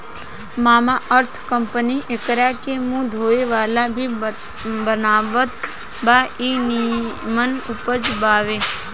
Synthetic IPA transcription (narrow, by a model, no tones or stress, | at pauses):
maːmaʔəɾt̪ʰkəmpəniʔekəɾakemũd̪ʱoːeʋaːlabʱi | bənaːʋət̪ | baːiːnimənʊpəd͡ʒbaːʋe